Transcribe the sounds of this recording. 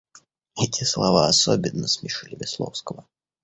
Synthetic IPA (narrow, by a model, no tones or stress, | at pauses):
ɛtʲɪslˠɐvaɐsobʲɪnːəsmʲɪʂɨlʲɪvʲɪslˠofskəvə